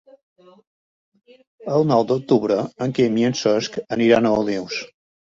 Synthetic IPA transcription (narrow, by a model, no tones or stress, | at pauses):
əlˠnɔwd̪uk̚t̪uβɾəəŋkemiənsɔskəniɾanəuliws